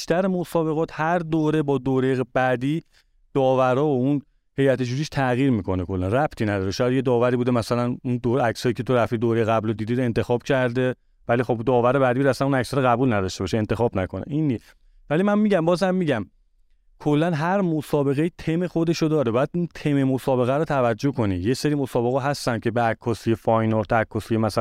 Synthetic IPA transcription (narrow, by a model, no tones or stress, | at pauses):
iʃt̪æɾemo̞sɒːbe̞ɣɒːt̪ʰhæɾd̪oːɾe̞bɒːd̪oːɾeɣb̥æd̪iː | d̪̥ɒːvæɾɒːoun | he̞jæt̪ʰed͡ʒuːɾiʃt̪ʰæɣiːɾmiːkʰo̞nekʰo̞lːænræbt̪ʰinæd̪ɒːɾeʃɒːjæd̪je̞d̪ɒːvæɾiːbud̪emæsælænund̪oɾæcsɒːjiːcʰe̞t̪ʰo̞ɾæft̪id̪oːɾejeɣæblod̪iːd̪iːd̪e̞nt̪ʰe̞xɒːb̚cʰæɾd̪e | vælixo̞bd̪ɒːvæɾebæd̪ibud̪æsænunæcsɒɾoɣæbuːlnæd̪ɒʃt̪e̞bɒʃeent̪exɒːbnækʰo̞nḛʔinːi | vælimænmiːɟæmbɒːzhæmːiːɟæm | kʰolːænɦæɾmo̞sɒːbe̞ɣeiːt̪ʰe̞mexo̞d̪e̞ʃod̪ɒːɾebɒjæd̪unt̪ʰememosɒːbe̞ɣæɾot̪ʰævæd͡ʒːo̞hko̞nijeseɾimo̞sɒːbe̞ɣɒːɦæst̪æn̥̚cʰe̞beækʰːɒːsijefɒjnoɾt̪ʰækʰːɒsijemæsæ